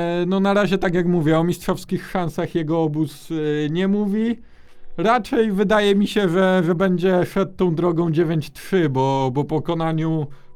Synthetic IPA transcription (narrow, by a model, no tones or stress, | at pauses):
nɔnaɾaʑɛt̪akʲjakmuvʲjɛɔmʲistʂɔfskʲixʂansaxjɛɡɔɔbusɲɛmuvʲi | ɾat͡ʂɛjvɘd̪ajɛmʲiɕɛʐɛʐɛbɛɲd͡ʑɛpʂɛt̪ːɔ̃w̃d̪ɾɔɡɔ̃w̃d͡ʑevʲjeɲt͡ɕtʂɘbɔbɔpɔkɔnaɲu